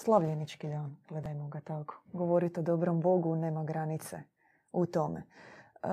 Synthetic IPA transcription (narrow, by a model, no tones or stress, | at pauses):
slˠaʋʎenit͡ʃkid̪aːnɡ̥le̞d̪ajmoɡat̪ako̥ɡo̞ʋo̞ɾit̪od̪o̞bɾombo̞ɡuneːmaɡɾanit̪sḛ | ut̪omḛ